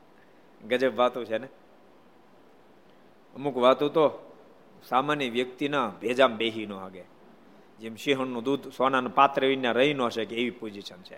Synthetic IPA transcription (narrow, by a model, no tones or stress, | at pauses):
ɡəd͡ʒəbʋat̪ũt͡ʃʰene | əmukʋat̪ũt̪o | samanjəʋjək̚t̪inaʋʱed͡ʒambeɦinoɦaɡe | d͡ʒemʃiɦənːod̪ud̪ʱsananopat̪ɾəʋinjaɾəɦinõɦəʃekeːʋipod͡ʒiʃənt͡ʃʰḛ